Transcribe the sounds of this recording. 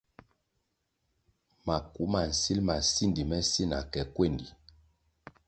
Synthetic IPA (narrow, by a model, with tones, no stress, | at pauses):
ma˨ku˨˦ma˨n̩˨si˦lma˨si˦ndi˨mɛ˦si˦na̰˨kɛ˨kwe˦˨ndi˨